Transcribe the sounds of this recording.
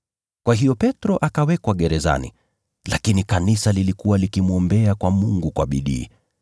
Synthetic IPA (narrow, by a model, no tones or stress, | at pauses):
kwaɦijɔpɛtɾɔʔakawɛkwaɠɛɾɛza̰nḭ | lakinikanisalilikuwalikimuɔmbɛakwamuŋɡukwaɓiɗḭː